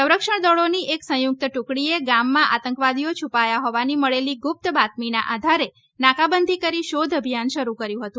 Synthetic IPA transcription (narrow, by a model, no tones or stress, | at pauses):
sə̃wɾəkʃəɳd̪ɔɭoniʔeksə̃juk̚t̪ʈukɽieɡamːãʔat̪əŋkʋad̪ijot͡ʃʰupajaɦoʋaniməɭeliɡup̚t̪bat̪̚mina̰ʔad̪ʱaɾe | nakabənd̪ʱikəɾiʃod̪ʱəbʱijanʃəɾukəɾjũɦət̪ũ